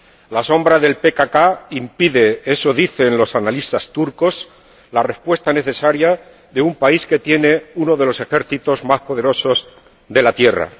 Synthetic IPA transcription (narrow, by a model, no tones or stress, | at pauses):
laso̞mbɾaðe̞lpe̞kakaimpiðe̞esoðiθe̞nlo̞sanalist̪ast̪uɾko̞s | lare̞spwe̞st̪ane̞θe̞saɾja | ðe̞umpaiske̞t̪je̞ne̞uno̞ðe̞lo̞se̞xe̞ɾθit̪o̞zmaspo̞ð̞e̞ɾo̞so̞z | ðe̞lat̪je̞ra̰